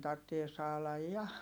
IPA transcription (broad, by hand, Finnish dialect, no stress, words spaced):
tɑrtːie sɑːlɑj jɑ